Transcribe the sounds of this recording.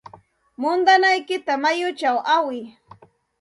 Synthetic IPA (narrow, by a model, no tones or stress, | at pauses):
mʊnd̪anajkɪt̪amajʊt͡ʃawʔawɪ